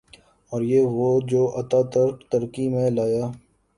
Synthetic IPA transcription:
ɔːɾjeːʋoːd͡ʒoːʔɐt̪aːt̪əɾkt̪əɾkimẽlaːjaː

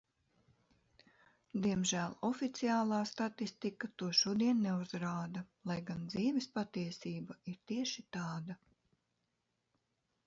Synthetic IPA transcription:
d̪iɛmʒæːlˠɔfit̪siaːlˠɑːst̪at̪ist̪ikat̪uɔʃuɔd̪iɛnːeuzɾaːd̪ɐ | lˠajɡand̪ziːvispat̪iɛsiːbaiɾt̪iɛʃit̪aːd̪a

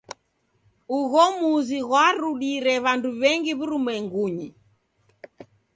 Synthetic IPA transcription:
uɣɔmuziɣwaɾuɗiɾɛβanduβɛŋɡiβuɾumɛŋɡuɲi

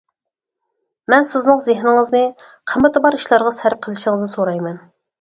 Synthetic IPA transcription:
mɛnsɪznɨŋzɪhnɪŋəznɨ | qʰəmbət̪ʰəbɑɾiʃlˠɑɾʁɑsæɾp̚qʰəlˠɪʃiŋɨznɨsoɾɑjmɛn

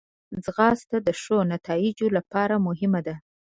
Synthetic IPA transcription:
zɣɑst̪ad̪əʂonat̪ɑjɪd͡ʒolapɑɾamʊɦɪmad̪a

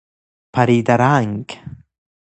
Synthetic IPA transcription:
pʰaɾid̪aɾaŋk

